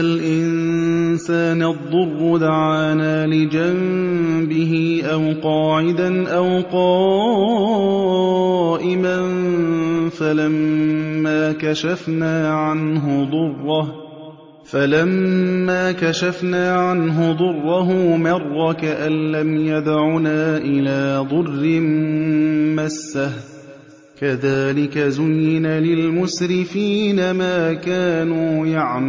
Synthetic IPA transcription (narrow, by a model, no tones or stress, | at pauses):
alʔɪnsaːnd̪ˤːʊrˤːʊd̪aʕaːnaːlɪd͡ʒambɪɦɪʔawqɑːʕɪd̪anʔawqɑː | ʔɪman | falamːaːkaʃafnaːʕanɦʊd̪ˤʊrˤːɑh | falamːaːkaʃafnaːʕanɦʊd̪ˤʊrˤːɑɦʊmɑrˤːɑkaʔanːamjad̪ʕunaːʔɪlaːd̪ˤʊrːɪm | masːah | kaðaːlɪkazʊjːɪnalɪlmʊsɾɪfiːnamaːkaːnuːjaʕm